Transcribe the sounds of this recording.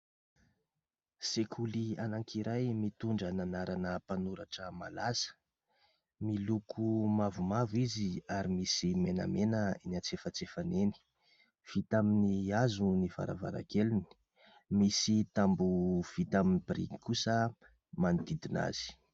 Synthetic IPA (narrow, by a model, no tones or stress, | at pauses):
sekʰulianaŋkʰiɾajmit̪uɳɖ͡ʐananaɾanəpanuɾaʈ͡ʂəma̰lasə̥ | milukʰumavumaviziaɾimisimenə̰menəinat͡sefət͡sefaneni̥ | v̥it̪aminiazuniva̰ɾa̰va̰ɾa̰keluni̥ | misit̪ambuv̥it̪aminibiɾḭŋikusə | mand̪id̪ina̰z̥i̥